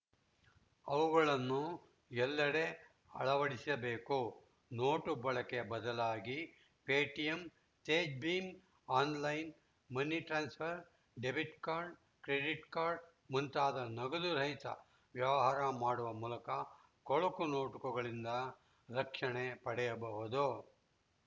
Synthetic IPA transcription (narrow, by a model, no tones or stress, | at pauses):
ɐʋuɡɐɭɐnːu | ɛlːɐɽe̞ | ɐ̰ɭɐʋɐɽisisɐbe̞ːko | noːʈubɐɭɐkebɐd̪ɐlaːɡi | peːʈijem | teːd͡ʒbiːm | aːnlɐjn | mɐnːiʈɾaːnspʰɐɾ | ɖebiʈkaːɾɖ | kɾeɖiʈkaːɾɖ | munt̪aːd̪ɐnɐɡɐd̪uɾɐɦit̪ɐ̰ | ʋjɐʋɐɦaːɾɐmaːɽuʋɐmuːlɐkɐ | kɔɭɐkuno̞ːʈukɐɡɐɭind̪ɐ | ɾɐkʂɐɳepɐɽɛjɐbɐʋud̪u